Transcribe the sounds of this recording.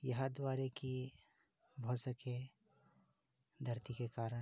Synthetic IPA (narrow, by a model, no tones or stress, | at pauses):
jɐɦad̪waːɾeki | bʱosəke | d̪ʱɐɾt̪ikekaːɾə